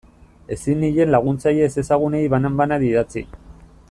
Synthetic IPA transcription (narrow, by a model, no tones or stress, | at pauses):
e̞sinːiʎe̞nlaɣ̞unt͡saje̞se̞saɣ̞unejβanambanaðiðat͡sḭ